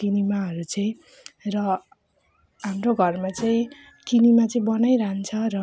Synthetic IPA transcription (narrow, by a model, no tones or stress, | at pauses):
kinimaɦʌɾut͡sʌĩ | rʌ | ɦamroɡʱʌrmat͡sʌĩ | kinimat͡sʌĩbʌnajɾant͡sʰʌɾʌ